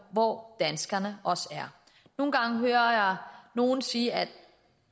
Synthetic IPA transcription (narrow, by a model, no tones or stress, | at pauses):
ʋɒd̥ænsɡ̥ɐnəɒ̽sæɐ | no̝ːn̩ɡ̥ɑ̈ŋɦøːɐjɑ̈ɪno̝ːn̩siːæd̥